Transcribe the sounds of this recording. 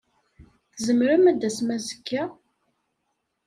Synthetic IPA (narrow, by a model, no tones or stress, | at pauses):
θzəmɾæmæd̪æsmæzəkːæ